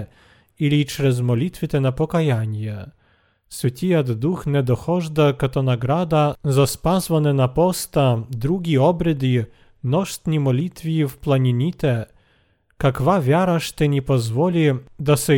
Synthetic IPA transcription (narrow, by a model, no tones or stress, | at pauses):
ilʲit͡ʂɾɛzmɔlʲit̪vʲɪt̪ɛnapɔkajanʲjɛ | svʲɛt̪ʲijad̪ːuxnʲɛd̪ɔxɔʐd̪akat̪ɔnaɡɾad̪azaspazvanɛnapɔst̪ad̪ɾuɡʲiɔbɾɛd̪i | nɔʂt̪nʲimɔlʲit̪vʲifplˠanʲinʲit̪ɛ | kakɔvavʲjaɾaʂt̪ɛnʲɛpɔzvɔlʲid̪asɛ